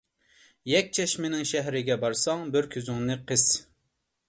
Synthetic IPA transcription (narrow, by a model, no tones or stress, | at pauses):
jɛk̚ʲt͡ʃʰɛʃmɪnɪŋʃɛɦɾɪɡʲɛbɑɾsɑŋbɪɾkʲʰyzyŋnɨqʰəz̥